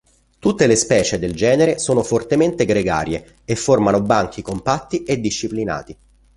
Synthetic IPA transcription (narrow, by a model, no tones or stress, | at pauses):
t̪ut̪ːelespɛːt͡ʃed̪eld͡ʒɛːneɾesoːnofort̪ement̪eɡɾeɡa̰ːɾje | efːormanobaŋk̟ikompat̪ːied̪ːiʃːiplina̰ːt̪i